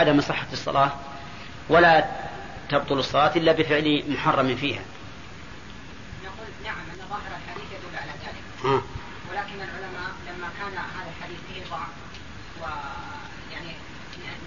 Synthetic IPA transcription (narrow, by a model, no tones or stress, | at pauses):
ad̪amsˤɨħːɑɨsˤːɑ̰lʔɑː | wala | t̪ɑb̚t̪ˤʊlɨsˤːɑlɑːt̪ʔɪlːabɪfɪʕlimʊħɑrˤːɑmfiːha̰ | naquːlnaʕamʔanːɑðˤɑːhɪɾalħad̪iːθjad̪ʊlːʕalaðaːlɪkʔaː | wɪlaːkɪnalʕʊlamaːʔlamːakaːnɦaːðalħad̪iːθbɪhɪðˤɑʕf | wa | jaʕni